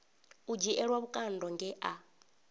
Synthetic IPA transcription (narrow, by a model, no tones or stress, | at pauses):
ud͡ʒiʔɛɺwaβukʼandɔŋɡɛʔa